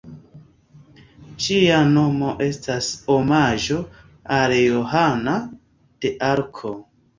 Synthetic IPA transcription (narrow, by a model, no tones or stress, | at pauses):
d͡ʒiano̞mo̞ʔe̞stasomad͡ʒo̞ | aljoɦana | d̥e̞ʔaɾkʰo